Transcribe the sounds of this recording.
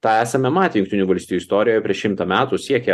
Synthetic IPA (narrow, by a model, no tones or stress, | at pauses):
t̪ɑːæːsɐmʲɛmɑːt̪ʲɪjʊŋkt̪ʲɪnʲuːʋɐlʲst̪ʲiːjuɪst̪oːɾʲɪjojɛpʲɾʲiɛʃʲɪmt̪ɐmʲæːt̪usʲiɛkʲɛ